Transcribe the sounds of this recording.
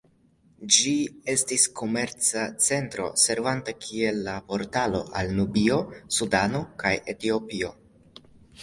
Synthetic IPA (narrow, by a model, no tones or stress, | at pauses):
d͡ʒie̞stisko̞me̞ɾt͡sat͡se̞ntɾo̞̰se̞ɾvantakʰie̞lːapo̞ɾtalo̞ʔalnubio̞sudano̞kaje̞tio̞pio̞